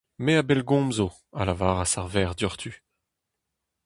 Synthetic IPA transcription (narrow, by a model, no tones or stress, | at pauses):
meabɛlɡɔ̃mzo | alavaːʁasaʁvɛːʁd̪yʁt̪ʰy